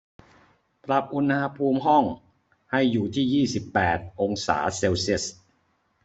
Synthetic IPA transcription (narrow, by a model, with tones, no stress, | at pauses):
pɾa˨˩p̚ʔu˧nha˧pʰuː˧mɦɔ˥˩ŋ | ha˥˩jːuː˨˩t̪ʰiː˥˩jiː˥˩si˨˩pːɛː˨˩t̪̚ʔo˧ŋsa̰ː˩˦se˧wsi˥˩s